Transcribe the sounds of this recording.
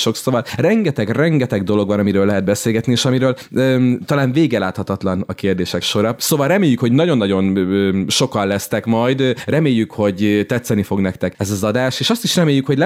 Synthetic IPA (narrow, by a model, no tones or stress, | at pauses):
ʃo̞ksovɒlrɛŋɡɛt̪ɛɡrɛŋɡɛt̪ɛɡd̪o̞lo̞ɡvɒnɒmiɾøːlɛɦɛd̪̚bɛseːlɡɛt̪nieːʃɒmiɾøːl | øt̪ɒlaːnveːɡɛlaːt̪hɒt̪ɒt̪lɒnɒkeːrd̪eːʃɛkʃo̞ɾɒsoːvɒlrɛmeːjːykho̞ɟnɒɟo̞nːɒɟo̞nøːʃo̞kɒllɛst̪ɛkmɒjd̪rɛmeːjːykho̞ɟt̪ɛt̪sɛnifo̞ɡnɛkt̪ɛkɛzɒzɒd̪aːʃeːʃɒst̪iʃrɛmeːjykho̞ɟl